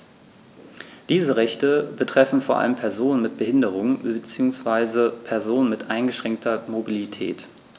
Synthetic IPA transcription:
d̥iːzəʁɛçtəbətʁ̥ɛfn̩foːɐʔa̰ləmpʰɛɐzoːnənmɪt̚b̥əhɪndəʁ̞ʊŋbət͡siːʊŋsv̥aɪzəpʰɛɐzoːnənmɪtʔaɪnɡəʃʁ̥ɛŋk̚tʰɐmobilitʰɛ̰ːt

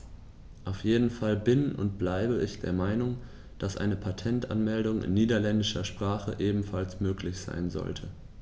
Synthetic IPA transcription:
ʔaʊfjeːdn̩falbɪnʊ̰nt̚b̥laɪbəɪçd̥eːɐmaɪnʊŋ | d̥asʔa̰ɪnəpʰatʰɛntʔa̰nmɛldʊŋɪ̰nːiːdɐlɛndɪʃɐʃpʁ̥aːχə̰ʔeːbm̩falsmøːklɪçz̥a̰ɪnzɔ̰ltʰə

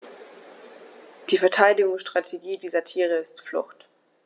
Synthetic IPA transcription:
d̥iːfɛɐtʰaɪdɪɡʊŋsʃtʁ̥atʰeɡiːdiːzɐtʰiːʁəɪstflʊ̰χt

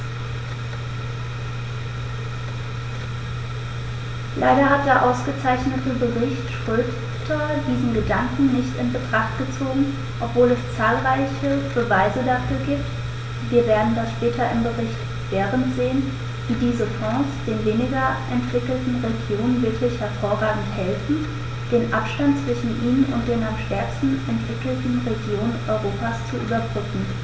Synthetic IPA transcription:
lʔa̰ɪɾɐɦat̚d̥eːɐʔaʊsɡ̥ət͡saɪçnətəbəʁɪçtʃʁ̥ʏp | tʰɐdiːzn̩ɡədaŋkŋ̩nɪçtɪnbətʁ̥aχtɡ̥ət͡soːɡŋ̩ | ʔɔpv̥oːlɛst͡saːlʁaɪçəb̥əvaɪzədafyːɐɡiːpt | viːɐveːɐdn̩dasʃpɛːtʰɐʔɪmɡəʁɪçt | v̥eːʁəntz̥eːən | v̥iːdiːzəfɔ̃ːsd̥eːnveːnɪɡɐʔɛntv̥ɪkl̩tn̩ʁeɡjoːnənvɪɐklɪçhɛɐfoːɐʁaːɡŋ̩thɛlfn̩ | d̥eːnʔapʃtant̚t͡sv̥ɪʃn̩ʔiːnənʊnt̚d̥eːnamʃtɛɐkstn̩ʔɛntv̥ɪkl̩tn̩ʁeɡjoːnənʔɔ̰ʏʁoːpast͡suʔy̰ːbɐbʁʏkŋ̩

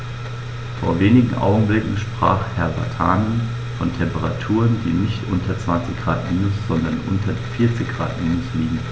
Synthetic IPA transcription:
fo̰ːɐveːnɪɡŋ̩ʔa̰ʊɡŋ̩blɪkŋ̩ʃpʁ̥a̰ːχhɛɐbatʰaːnən | fɔntʰɛmpəʁatʰuːʁənd̥iːnɪçtʔʊ̰ntʰɐt͡sv̥ant͡sɪçɡ̥ʁaːtmiːnʊsz̥ɔndɐnʔʊ̰ntʰɐdefɪɐt͡sɪçɡ̥ʁa̰ːtmiːnʊsliːɡŋ̩

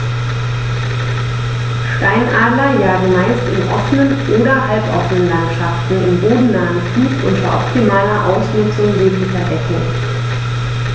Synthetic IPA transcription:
ʃtaɪnʔaːdlɐjaːɡŋ̩maɪstɪnʔɔfənənʔoːɾɐhalpʔɔ̰fənənlantʃaftn̩ɪmboːdn̩naːən | iːfʔʊ̰ntɐʔɔ̰p̚tʰimaːlɐʔaʊsnʊt͡sʊŋveːklɪçɐdɛk̩

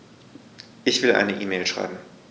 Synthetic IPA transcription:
ʔɪçv̥ɪlʔa̰ɪnəʔiːmeːlʃʁ̥a̰ɪbm̩

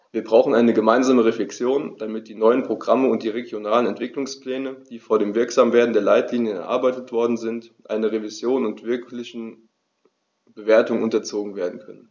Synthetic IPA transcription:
viːɐbʁaʊxn̩aɪnəɡəmaɪnzaːməʁeflɛksjoːnd̥amɪt̚d̥iːnɔʏənpʁ̥oɡʁaməʊnt̚d̥iːʁeɡjonaːlənɛntv̥ɪklʊŋspl̥ɛːnəd̥iːfoːɐɾeːmvɪɐkz̥aːmveːɐdn̩deːɐlaɪtliːnjənɛɐʔa̰ɐbaɪtətv̥ɔɐdn̩zɪntʔa̰ɪnɐʁevizjoːnʊntv̥ɪɐklɪçn̩ | b̥əveːɐtʊŋʔʊntɐt͡soːɡŋ̩veːɐdn̩kʰœnən

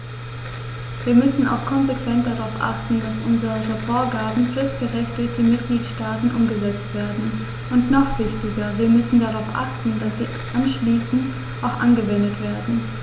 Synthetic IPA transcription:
viːɐmʏsn̩a̰ʊxkʰɔnzekv̥ɛnt̚d̥aʁaʊfʔa̰χtn̩d̥asʔʊnzəçəfoːɐɡaːbm̩fɛst̚ɡ̥əʁɛçtɪçtəmɪt̚ɡ̥liːtʃtaːtn̩ʔʊmɡəzɛt͡stv̥eːɐdn̩ | ʔʊntnɔχv̥ɪçtɪɡɐviːɐmʏsn̩daʁaʊfʔa̰χtn̩dasz̥iː | ʔanʃliːsn̩t | ʔaʊxʔa̰nɡəvɛndətv̥eːɐdn̩

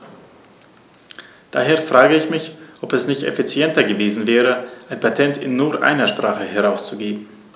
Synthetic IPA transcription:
d̥aːɦeːɐfʁ̥aːɡəɪçmɪçʔɔpɛsnɪçtɛ̰fit͡sjɛntɐɡəveːzn̩vɛːʁ̞əʔaɪnpʰatʰɛntɪnːuːɐʔa̰ɪnɐʃpʁ̥aːχəhɛʁaʊst͡suɡeːbm̩

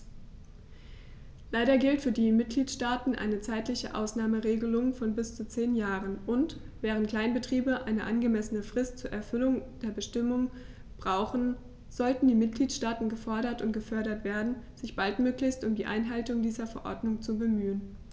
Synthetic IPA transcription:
laɪɾɐɡɪltfyːɐdiːmɪt̚ɡ̥liːtʃtaːtn̩ʔa̰ɪnət͡saɪtlɪçəʔa̰ʊsnaːməʁeːɡəlʊŋfɔnbɪst͡sut͡seːnjaːʁənʔʊnt | v̥ɛːʁ̞əntkl̥aɪnbətʁ̥iːbəʔaɪnəʔanɡəmɛsənəfʁ̥ɪstt͡suːɐʔɛɐfʏlʊŋd̥eːɐbəʃtɪmʊŋ | b̥ʁaʊχn̩ | z̥ɔltn̩diːmɪt̚ɡ̥liːtʃtaːtn̩ɡəfɔɐɾɐtʊntɡ̥əfœɐɾɐtv̥eːɐdn̩z̥ɪçb̥altmøːklɪçstʔʊmdiːʔa̰ɪnɦaltʊŋdiːzɐfɛɐʔɔ̰ɐdnʊŋt͡subəmyːən

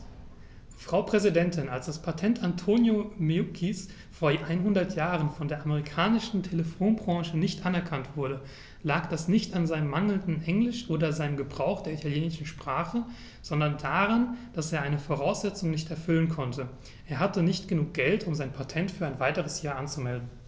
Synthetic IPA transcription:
fʁ̥aʊpʁ̥ɛzidɛntʰɪnalsd̥aspʰatʰɛntʰantʰoːnjomiukʰis | foːɐʔaɪnɦʊndɐtʰjaːʁ̞ənfɔndeːɐʔaməʁikʰaːnɪʃn̩tʰeləfoːnbʁɑ̃ːʃənɪçtʔanɛɐkʰantv̥ʊɐɾə | laːkd̥asnɪçtanzaɪnəmːaŋl̩ndn̩ʔɛŋlɪʃʔoːdɐzaɪnəmɡəbʁaʊxd̥eːɐitʰaljeːnɪʃn̩ʃpʁ̥aːχə | z̥ɔndɐndaːʁand̥aseːɐʔaɪnəfoːʁ̞aʊsz̥ɛt͡sʊŋnɪçtɛɐfʏlənkʰɔntʰə | ʔeːɐɦhatənɪçtɡ̥ənuːk̚ɡ̥ɛltʰʊmzaɪnpʰatʰɛntfyːɐaɪnvaɪtəʁ̞əsjaːɐʔant͡sumɛldn̩

